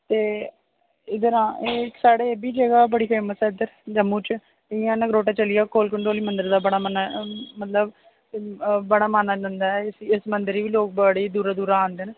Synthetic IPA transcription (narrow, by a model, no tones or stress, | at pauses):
t̪eː | ɪd̪əɾãːʔeːksaːɽeːbiːd͡ʒəɡaːbəɽiːpʰeːməsɛːɪd̪əɾd͡ʒəmːũːt͡ʃ | ɪjãːnəkɾoːʈaːt͡ʃəlɪjaːkoːlkəɳʈoːliːmənd̪əɾd̪aːbəɽaːmanamət̪ləb | bəɽaːmaːnaːd͡ʒãːnd̪aːɛsɪsmənd̪əɾiːʋiːloːk̚baɽeːd̪uːɾaːd̪uːɾaːaːnd̪eːnː